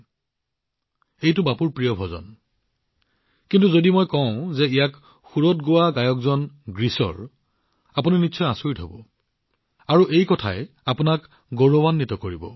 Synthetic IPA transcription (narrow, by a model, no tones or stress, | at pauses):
ejtʊbapuɹpɹijɔbʱɔzɔ̰n | kintuzodimojkɔʊ̃zɛijak | xuɹɔtɡowaɡajɔkzɔnɡɹisɔ̰ɹ | apuniniʃʰɔjasoɹitɦɔbɔ | aɹuʔejkɔtʰa̰ɛ | apʊnak | ɡoɹɔbanːitɔkoɹibɔ̰